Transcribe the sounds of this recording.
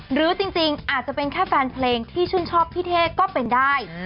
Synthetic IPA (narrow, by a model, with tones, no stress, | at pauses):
ɾɯː˨˦t͡ɕi˧ŋt͡ɕi˧ŋʔaː˨˩t̪̚t͡ɕa˨˩pe˧nkʰɛː˥˩fɛː˧npʰleː˧ŋt̪ʰiː˥˩t͡ɕʰu˥˩nt͡ɕʰɔː˥˩pʰiː˥˩t̪ʰeː˥˩kɔː˥˩pe˧ndaː˥˩j